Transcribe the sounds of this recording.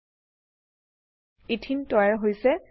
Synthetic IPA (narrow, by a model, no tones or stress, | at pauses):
itʰintɔjaɹɦojsɛ